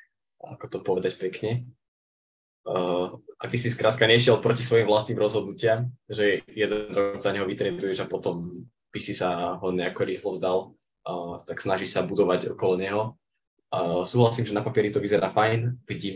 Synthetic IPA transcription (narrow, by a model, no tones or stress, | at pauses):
a̰kɔt̪ɔpɔʋɛd̪acpɛkɲɛ | ʔa̰ɡbisiskɾʔaːt̪̚kaɲɛʃɪɛlpɾɔci̥sʋɔjimvlast̪niːmɾɔzɦɔd̪nucɪamʒɛjɛd̪ɛnɾɔɡzaɲɛɦɔʋit̪ɾɛd̪ujɛʒapɔt̪ɔm | b̥isisaɦɔɲɛakɔɾiːxlɔvzd̪al | t̪aksnaʒiʃsabud̪ɔʋaɟɔ̰kɔlɔɲɛɦɔ | suːɦlasiːmʒɛnapapɪɛɾit̪ɔʋizɛɾaːfajnviɟi